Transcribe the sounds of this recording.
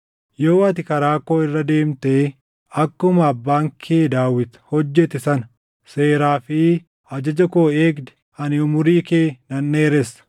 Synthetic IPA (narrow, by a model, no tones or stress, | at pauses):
jo̞ːɐt̪ɪkɐɾaːkoːɪrːɐd̪e̞ːmt̪eː | ɐkːʊmɐːbːaːŋkʰeːd̪aːwːɪt̪hɔd͡ʒːɛt̪ɪsɐn | seːɾaːfɪ | ɐd͡ʒɐd͡ʒɐkoːeːɡd̪ɛ̥ | ɐnɪʊmʊɾiːkeːnɐnːeːɾɛsɐ̥